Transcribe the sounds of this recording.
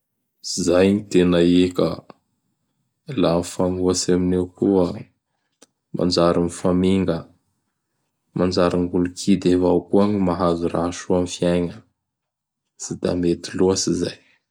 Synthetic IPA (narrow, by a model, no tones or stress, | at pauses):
izajɲit̪enaekə | lanifaŋuaseminewkuə | mʔa̰nd͡ʒaɾinifamiŋɡə | mand͡ʒaɾiŋɡulukʰid̪evakuaɲimaɦazuraʃuamfiajŋə | sid̪a̰met̪iluəsizaj